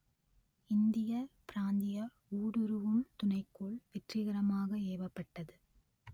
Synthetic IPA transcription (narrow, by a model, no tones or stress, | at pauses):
ɪnd̪ɪjɐpɪɾaːnd̪ɪjɐ | uːɽɯɾɯʋɯmt̪ʊnɐɪkːoːɭʋɛʈrɪɣɐɾɐmaːɣɐeːʋɐpːɐʈːɐðɯ